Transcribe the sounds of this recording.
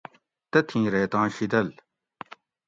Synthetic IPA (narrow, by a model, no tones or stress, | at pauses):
t̪ɐt̪ʰĩːɾeːt̪ãːɕid̪ɐl